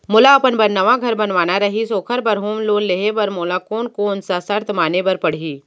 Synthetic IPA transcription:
mʊlaɐpənbɐɾnɐʋãɡʱɐɾbɐnʋaːnaɾɐɦisoːkʰəɾbɐɾɦoːmloːleːɦebɐɾmoːlakoːnkoʊnsasɐɾt̪ʰmaːnebɐɾpɐɽ̤iː

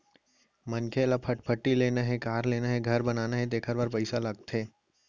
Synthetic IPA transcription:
mɐnkʰelapʰəʈpʰəʈːileːnaɦẽkaːɾleːnaɦẽɡʱɐɾbɐnaːnaɦẽd̪eːkʰəɾbaːɾpəɪsalɐɡ̚t̪ʰeː

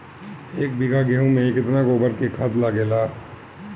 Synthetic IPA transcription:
eːk̚biɡaɡeɦũmẽkɪt̪naɡoːbəɾkekʰat̪laɡeːlaː

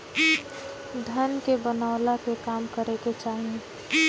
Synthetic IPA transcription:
d̪ʱənkebənaːʊlakekaːmkəɾeket͡ʃaːɦiẽ

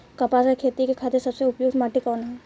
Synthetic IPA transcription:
kɐpasakʰeːt̪ikekʰaːt̪esɐbseʊpjoːɡd̪maːʈikɔːnɦɛː

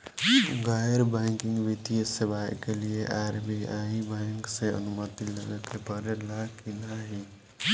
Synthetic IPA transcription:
ɡaːjəɾbɛ̃ːŋkɪ̃ŋɡʋit̪iəsɪʋaːjkelieʔaːɾbʱiaːibɛ̃ːŋkseə̰nʊmət̪iləɡəkepəɾelakinaɦi

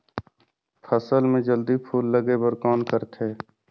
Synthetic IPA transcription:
pʰəsəlmẽd͡ʒəld̪ipʰuːlːəɡebəɾkɔːnkəɾt̪ʰeː

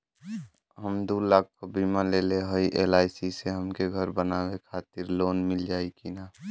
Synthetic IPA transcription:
ɦəmd̪uːlaːk̚kobiːmaleːleɦəiʔeːlaːɪsiseɦəmkeɡʱəɾbənaːwekʰaːt̪ɪɾloːnmɪld͡ʒaːikinaː

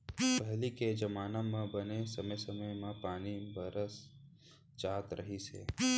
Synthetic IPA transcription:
pəɦliked͡ʒəmaːnamãbənesəməjsəməjmãpaːnibəɾəs | d͡ʒaːt̪ɾəɦisḛ

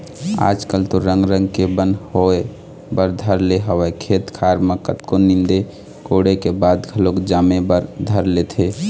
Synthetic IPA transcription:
a̰d͡ʒkəlt̪oɾəŋɡɾə̃ŋɡkebənhoe | bəɾd̪ʱəɾleɦəwɛkʰet̪kʰaɾməkət̪konind̪e | koɽekebad̪ɡʰʱəlokd͡ʒaːmebəɾd̪ʱəɾlet̪ʰe

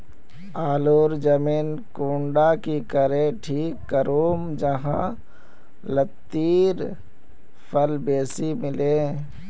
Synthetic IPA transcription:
aːloːɾd͡ʒəmiːnkuːɳɖakikəɾẽʈʰiːkːəɾuːmd͡ʒəɦã̰ | lət̪ːiːɾ | pʰəlbeːsimɪlẽː

